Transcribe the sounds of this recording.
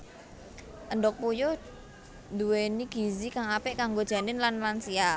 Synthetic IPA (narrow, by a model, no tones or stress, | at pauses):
ʔənɖɔk̚pujo | nd̪uweniɡ̥izikaŋapɪʔkaŋɡod̥ʒ̥a̤nɪnlanlansia